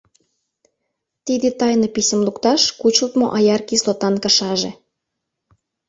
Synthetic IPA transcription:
t̪id̪et̪ɑjnopisʲəmlukt̪ɑʃkut͡ɕult̪mo̰ʔɑjɑrkislot̪ɑnkə̆ʃɑʒe

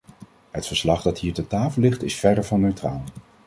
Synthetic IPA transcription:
ɦətfəɹslɑχdɑtɦiːɹtətaːfəlˠɪχtɪsfɛdəɹvɑnːøɥtra̰ːlˠ

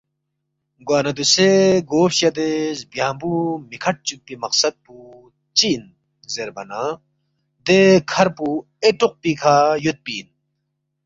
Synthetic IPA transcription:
ɡwaːnɐd̪useɡoːpɕjɐd̪ezbjãːmbumikʰɐʈ̚t͡ɕupːimɐqsɐd̪̚pu | t͡ɕin | zeɾbɐna | d̪ekʰɐɾpu | eʈuq̚pikʰaːjut̪̚piːn

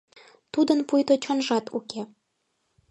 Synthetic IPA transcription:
t̪ud̪ənpujt̪ot͡ɕonʒɑt̪ṵke

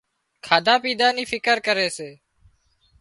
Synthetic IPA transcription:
kʰaːd̪aːpiːd̪aːniːfʰɪkəɾkəɾeːseː

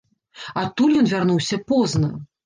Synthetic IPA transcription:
at̪ːulʲjɔnvʲarnuwsʲɐpɔznɐ

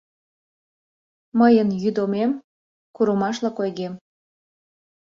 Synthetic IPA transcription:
məjənjyd̪omem | kuɾəmɑʃlɑkojɣem

